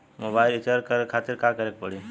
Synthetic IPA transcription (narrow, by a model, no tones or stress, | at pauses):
mobaɪlit͡ʃaɾkəɾkʰat̪iɾkakəɾek̚pəɽi